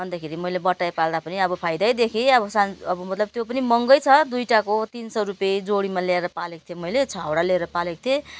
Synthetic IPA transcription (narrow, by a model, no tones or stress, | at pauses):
bʌnd̪akʰeɾimʌjlebʌʈːajpald̪apʌniʌbʌpʰajd̪ʌjd̪ekʰiʌbʌsaʌbʌmʌt̪lʌb̚t̪jopʌnimʌŋɡʌjt͡sʰʌd̪ujʈakot̪insʌɾupjejd͡zoɽimalaeɾʌpaleko̥t̪ʰjemʌjlet͡sʰawɽaleeɾʌpaleko̥t̪ʰe